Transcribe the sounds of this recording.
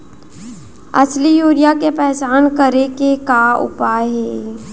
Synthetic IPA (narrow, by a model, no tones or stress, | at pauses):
ɐ̰slijoːɾijakepɛːt͡ʃaːnkəɾekekaʊ̰paːjɦeː